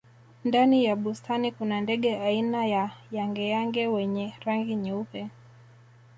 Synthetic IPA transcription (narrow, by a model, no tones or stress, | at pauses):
ndanijaɓustʰanikunandɛɠɛainajajaŋɡɛjaŋɡɛwɛɲɛɾaŋɡiɲɛupɛ